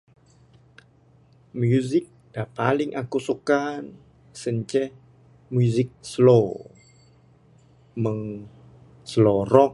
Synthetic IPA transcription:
mjuzɪk̚d̥apalɪŋʔakusukan | səɲt͡ʃɛh | muzɪk̚slo | məŋ | sloɾɔk̚

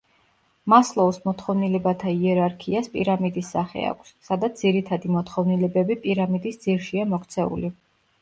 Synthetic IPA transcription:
maslˠɔusmɔt̪χɔvnilɛbat̪ʰaiɛɾaɾkʰiaspʼḭɾamid̪isːaχɛ̰a̰kʷʰsːad̪at̪d̪z̥iɾit̪ʰad̪imɔt̪ʰχɔvnilɛbɛbipʼiɾamid̪isd̪z̥iɾʃiamɔkʰt̪sʰɛṵli

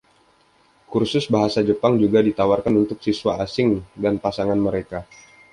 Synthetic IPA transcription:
kursʊsbaɦasad͡ʒəpaŋd͡ʒuɡadit̪awarkanunt̪ʊk̚siswaasɪŋdanpasaŋanməɾeka

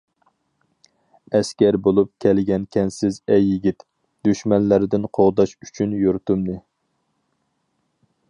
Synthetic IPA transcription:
ɛskʲɛɾbolˠup̚kʲʰɛlɪɡʲɛnkʲʰɛnsɪzɛjːiɡʲit̪ | d̪̥yʃmɛnlæɾɪd̪ɪnqʰoʁd̪ɑʃy̥t͡ʃʰynjoɾt̪umnɨ

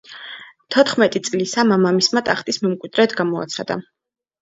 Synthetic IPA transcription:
t̪ʰɔt̪ʰχmɛt̪ʼit̪sʼlisamamamismat̪ʼaχt̪ʼismɛmkʼwid̪̥ɾɛt̪ʰɡamɔa̰t̪sʰχad̪̥a̰

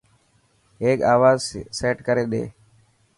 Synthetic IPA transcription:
eːkaːʋaːzseːʈkəɾeːɗ̪ḛː

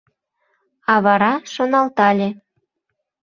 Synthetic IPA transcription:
ɑβɑɾɑʃonɑlt̪ɑlʲe

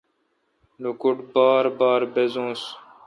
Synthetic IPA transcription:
nokʊʈbaːɾbaːɾbezõːs

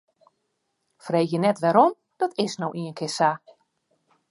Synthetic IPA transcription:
frejjənɛtʋɛɾom | d̥ɔtʰɪsnowʔiənkʰɪsa

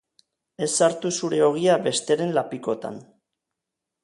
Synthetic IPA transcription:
e̞sːaɾt̪usuɾe̞o̞ɣ̞iaβe̞st̪e̞ɾe̞nlapiko̞t̪a̰n

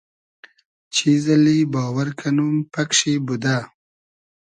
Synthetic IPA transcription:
t͡ʃʰizɐlibaːwɐɾkʰɐnumpɐkʂibud̪aː

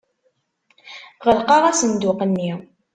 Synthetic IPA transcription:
ʁəlqɑʁæsənd̪ʊqənːi

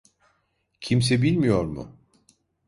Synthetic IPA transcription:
cʰimsɛbilʲmijo̞ɾmʊ̰

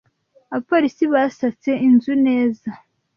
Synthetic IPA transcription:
aβapoːɾisiβasat͡se̞inzune̞ːza

